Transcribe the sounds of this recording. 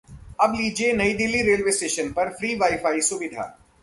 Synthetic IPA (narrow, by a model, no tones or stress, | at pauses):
ɐbliːd͡ʒienɐid̪ɪlːiɾeːlʋeːsʈeːʃənpɐɾfɾiːʋaːɪfaːisʊʋɪd̪ʱa̰ː